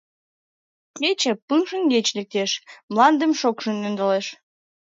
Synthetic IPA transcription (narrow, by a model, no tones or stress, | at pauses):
ket͡ɕəpɯŋʃənɡet͡ɕlek̚t̪eʃmlɑnd̪əmʃokʃənːønd̪əleʃ